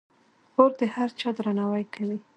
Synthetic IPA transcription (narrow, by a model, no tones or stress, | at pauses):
oɾd̪əhaɾt͡ʃɑd̪ɾanɑwajkʰawi